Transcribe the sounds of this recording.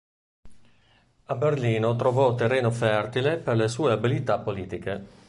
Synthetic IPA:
aberliːnot̪ɾovɔt̪ːerːeːnofɛrt̪ileperlesuːeabilit̪apːoliːt̪ike

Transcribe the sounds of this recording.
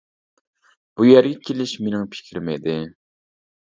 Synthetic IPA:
b̥ujɛɾɡʲɛkʲʰelɪʃmenɪŋpʰɪ̥kʲʰiɾmɛjd̪ɪ

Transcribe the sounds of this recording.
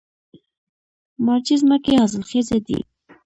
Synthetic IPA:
maɾt͡ʃizmakehazəlxezed̪ḭ

